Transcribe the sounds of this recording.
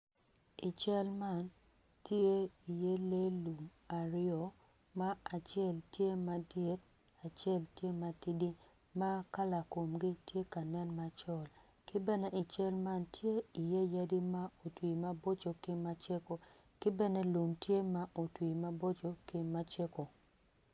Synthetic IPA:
ɪ˨t͡ʃɛ˦lma˦˨n | tje˦i˨je˦le˦lu˨m | a˨ɾɪɔ˨ | ma˦a˨t͡ʃjɛ˦˨ltje˦ma˨dɛ˦t̚ | a˨t͡ʃɛ˦ltje˦ma˨ti˦di˦ | ma˦ka˦la˨ko˨mɡi˦tje˦ka˨nɛ˦nma˨t͡ʃɔ˦˨l | kɪ˦bɛ˦ne˦ʔɪ˨t͡ʃɛ˦lma˦ntje˦i˨je˦ja˦di˦ma˦o˨twi˨ma˦bo˦t͡ʃo˨kɪ˦ma˦t͡ʃe˦ko˨ | kɪ˦bɛ˦ne˦lu˨mtje˦ma˦ʔo˨twi˨ma˦bo˦t͡ʃo˨kɪ˦ma˦t͡ʃe˦ko˨

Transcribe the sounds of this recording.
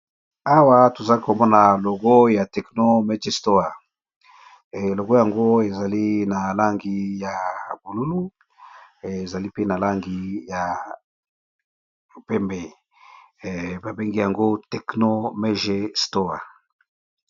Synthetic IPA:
a˦wa˦to˨za˨li˦ko˨mɔ˦na˨lo˨ɡo˦ja˨tɛ˨kno˦me˦d͡ʒe˦sto˦a˨ | lo˨ɡo˦ja˨ŋɡo˦e˨za˨li˦na˨la˦ŋɡi˦ja˨bu˨lu˦lu˦˨ | za˨li˦pe˦na˨la˦ŋɡi˦ja˨ | o˨pe˦mbe˨ | ba˨be˦ŋɡi˦ja˨ŋɡo˦tɛ˨kno˦me˦ʒe˦sto˦a̰˨

